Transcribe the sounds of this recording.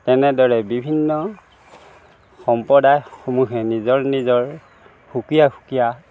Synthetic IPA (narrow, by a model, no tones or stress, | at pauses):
tɛnɛdɔɹɛbibʱinːɔ | xɔmpɔdajxomuxɛnizɔɹnizɔɹ | xukijaxu̥kija